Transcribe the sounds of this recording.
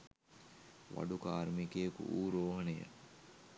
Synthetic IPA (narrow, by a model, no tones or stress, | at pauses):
ʋa̰ɖukaːɾmikejɐkṵʔuːɾoːɦɐnejə̰